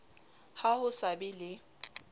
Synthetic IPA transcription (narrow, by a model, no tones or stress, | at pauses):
hahʊsabɪlɪ